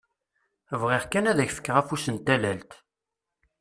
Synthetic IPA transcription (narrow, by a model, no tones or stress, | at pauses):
vʁiʁkænæðæçfə̥kːʁæfusənt̪ælælt̪